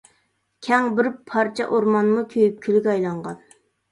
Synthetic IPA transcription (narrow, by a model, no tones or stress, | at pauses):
kʲʰɛŋbɪɾpʰɑɾt͡ʃʰɛ̰ʔoɾmɑnmukʲʰøjyp̚kʲʰylyɡʲɑjlˠɑɴʁɑn